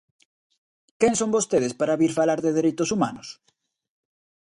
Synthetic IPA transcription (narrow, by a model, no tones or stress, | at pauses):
keŋsõmbost̪eð̞espaɾaβiɾfalaɾðeðeɾejt̪ʊsumanʊs